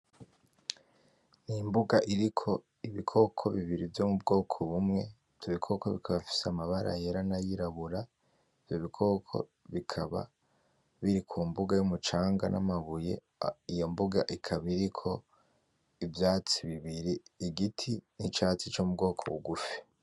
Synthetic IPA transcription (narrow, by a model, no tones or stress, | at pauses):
nimbuɡaʔiɾikʰo̞ | iβikʰo̞kʰo̞βiβiɾivjomub̚ɡo̞ːkʰoβumŋe̞ | v̥joβikʰo̞koβikʰaβafi̥seamaβaɾa̰jeɾanajiɾaβuɾa | ivjoβikʰo̞kʰo̞̰ | βikʰaβa̰ | βiɾikʰuːmbuɡajumut͡ʃaːŋɡa̰nʔa̰maβuje̞̰ | ijo̞mbuɡaʔikʰaβiɾikʰo̞ | ivjaːt͡siβiβiɾiːɡitʰinit͡ʃaːt͡sit͡ʃomub̚ɡo̞ːkʰo̞̰βṵɡufi̥